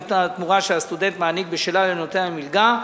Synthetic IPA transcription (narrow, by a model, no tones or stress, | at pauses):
tat̪muʁaʃeast̪ud̪e̞nt̪maːnik̚beʃelalenot̪ealemilɡa